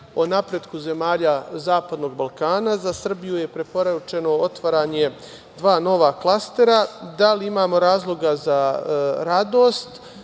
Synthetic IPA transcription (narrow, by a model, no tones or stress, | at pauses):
o̞napɾe̞d̪kuze̞maːʎazaːpad̪no̞ːɡ̚balˠkaːnazasr̩bijuje̞pɾe̞po̞ɾat͡ʃe̞no̞ot̪ʋaɾaːɲe̞ | d̪ʋaːno̞ʋaklˠast̪e̞ɾad̪aliimaːmo̞ɾaːzlˠo̞ɡazaɾad̪oːst̪